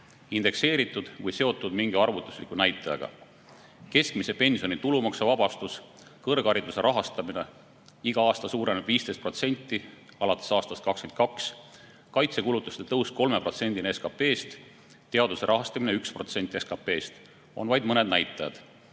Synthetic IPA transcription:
ind̪̥e̞kse̞ːɾit̪ːˑud̪̥vɤjse̞o̞t̪ːˑud̪miŋɡ̥iɑrvut̪ːˑuslikːˑunæjt̪ˑːɑjɑ̰ɡ̥ɑ̰ | ke̞skmise̞pe̞nsijo̞nit̪ulumɑksevɑb̥ɑst̪us | kɤrɡ̥ɑɾit̪use̞ɾʔɑɦɑst̪ɑmine | iɡ̥ɑɑːst̪ɑsuːɾeneb̥viːst̪e̞jst̪prot̪se̞nʲt̪ːˑi | ɑlɑt̪ːˑe̥sɑːst̪ɑst̪̚kɑkske̞nt̪kɑks | kɑjt̪se̞kulut̪ːˑust̪et̪ɤwsko̞lme̞pro̞t̪se̞nʲd̪̥ine̞skɑpe̞ːst̪ | t̪ːeɑd̪use̞ɾɑɦɑst̪ɑmineykspro̞t̪se̞nʲt̪ʲːˑie̞skɑpe̞ːst̪ | o̞̰nvɑjd̪̚mɤne̞d̪̚næjt̪ːˑɑjɑ̰d̪̥

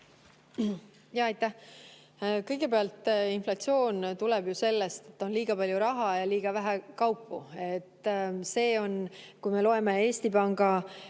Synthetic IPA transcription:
jɑɑjt̪ːˑæh | kɤjɡe̞peɑlt̪inflɑt̪sio̞ːnt̪ulɛb̥juse̞lːest̪e̞̥t̪ːˑo̞nliːɡ̥ɑpɑlʲjuɾɑɦɑjɑliːɡ̥ɑvæɦækɑwpːˑṵe̞t̪ːˑse̞ːo̞nkujme̞lo̞e̞me̞e̞ːst̪ipɑŋɡ̥ɑ

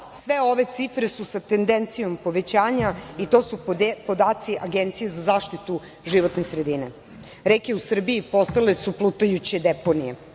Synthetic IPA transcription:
sʋe̞o̞ʋe̞t̪sifɾe̞susat̪end̪e̞nt̪sijo̞mpo̞ʋe̞t͡ɕaːɲait̪o̞ːsupo̞d̪aːt̪siʔaɡent̪sijezazaːʃt̪it̪u | ʒiʋo̞t̪nesɾe̞d̪ine̞̰ | ɾekeusr̩biipo̞st̪alesuplˠut̪ujut͡ɕed̪epo̞nije

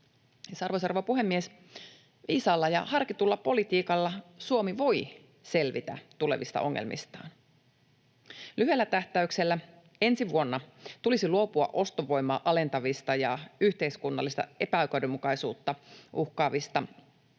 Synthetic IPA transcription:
esɑrʋois̬ɑrʋɑpuɦe̞mːies | ʋiːsɑːlːɑjɑ̰hɑrkit̪ulːɑpo̞lit̪iːkɑlːɑsuomiʋo̞ij | se̞lʋḭt̪æ̰t̪ule̞̰ʋist̪ɑ̰ʔo̞̰ŋːʔḛlmḭst̪ɑːn | lyhelːæt̪æht̪æykselːæ | e̞nsiʋuonːɑt̪ulisiluopuɑ̰ʔo̞st̪oʋo̞imɑːʔɑle̞nt̪ɑʋist̪ɑjɑyht̪e̞iskunːɑ̰lːist̪ɑ̰e̞pæˑøkøydemːukɑisṵːt̪ːɑʔuhkɑːʋist̪ɑ

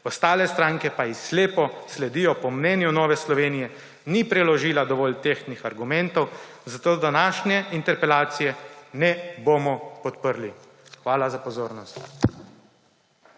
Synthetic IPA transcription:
ɔst̪aːlɛst̪ɾaːŋkɛpaisːleːpɔslɛd̪ijɔpɔmnɛːnjunɔːʋɛslɔʋeːnijɛ | nipɾɛlɔʒiːlad̪ɔʋɔːlt̪eːxnixaɾɡumɛnt̪ɔwzat̪oːd̪anaʃnjɛint̪ɛɾpɛlaːt̪sijɛnɛbomɔpɔt̪pəɾli | xʋaːlazapɔzoːɾnɔst̪

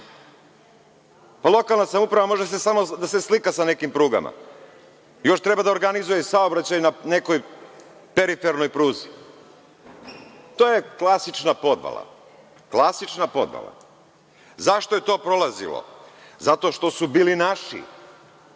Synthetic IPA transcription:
palˠo̞kalˠnasamuːpɾaʋamo̞ʒes̬esamo̞d̪ase̞slikasane̞kimpɾuːɡa̰ma̰ | jo̞ʃt̪ɾe̞bad̪aoɾɡanizujesaobɾat͡ɕajnane̞ko̞j | peɾifeɾnojpɾuːzi | t̪o̞ːjeklˠasit͡ʃnapo̞d̪ʋa̰lˠa̰ | klasit͡ʃnapo̞d̪ʋa̰lˠa̰ | zaʃt̪ojet̪o̞ːpɾo̞lˠazḭlo̰zat̪oʃt̪o̞subiːlinaʃḭ

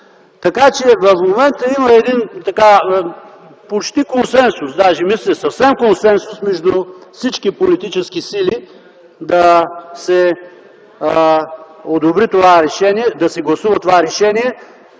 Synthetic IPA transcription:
t̪ɐkat͡ʃɛvɐfmomɛnt̪əiməɛd̪int̪ɐka | pot͡ʃt̪ikonsɛnsʊsd̪aʒimisɛsɐfsɛmkonsɛnsʊsmɛʒd̪ufsit͡ʃkipolit̪it͡ʃɛskisili | d̪ɐsɛ | od̪obɾit̪ovaɾɛʃɛniɛd̪ɐsɛɡlˠɐsuvət̪ovaɾɛʃɛniɛ

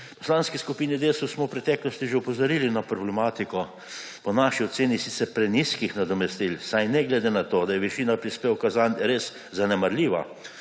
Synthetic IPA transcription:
pɔslanskiskupiːnid̪eːsusmɔwpɾɛt̪ɛːklɔst̪iʒɛupɔzɔɾiːlinapɾɔblɛmaːt̪ikɔ | pɔnaʃiɔt̪seːnisit̪sɛɾpɾɛniskixnad̪ɔmɛst̪ilsajnɛɡlɛd̪enat̪od̪ajɛʋiʃiːnapɾispeːwkazanɾeːs | zanɛmaɾlʲiːʋa̰

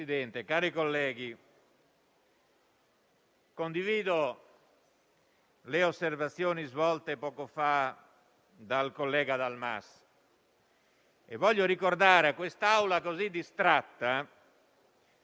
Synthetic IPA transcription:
id̪ɛnt̪ekaːɾikolːɛːɡi | kond̪iviːðo | leosːervat̪sːjoːnizvɔlt̪epɔːkofa | d̪alkolːɛːɡad̪alma̰s | ɛ̰vːɔʎːoɾikoɾd̪aːɾeakwɛst̪aawlakozid̪ːist̪ɾat̪ːa

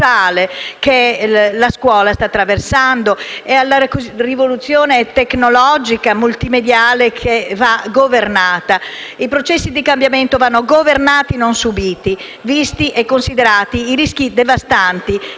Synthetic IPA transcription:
aːlekelaskwɔːlast̪at̪ːɾaversand̪oealːakrivolut̪sːjoːnet̪eknolɔd͡ʒikamult̪imed̪jaːlekʰevaɡovernaːt̪a | ipɾot͡ʃɛsːid̪ikambjament̪ovanːoɡovernaːt̪inonsubiːt̪i | vist̪iʔɛkːonsid̪eɾaːt̪iːɾisk̟id̪evast̪ant̪i

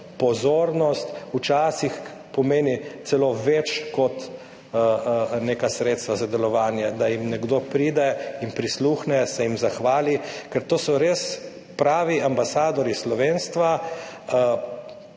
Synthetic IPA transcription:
pɔzoːɾnɔst̪ut͡ʃaːsix | pɔmeːnit̪sɛloːʋet͡ʃkɔt̪ | neːkasɾeːt̪st̪ʋazad̪ɛlɔʋaːnjɛd̪ajimnɛɡd̪oːpɾid̪ɛinpɾisluːxnɛsɛjimzaxʋaːlikɛɾt̪oːsɔɾeːs | pɾaːʋiambasaːd̪ɔɾislɔʋeːnst̪ʋa

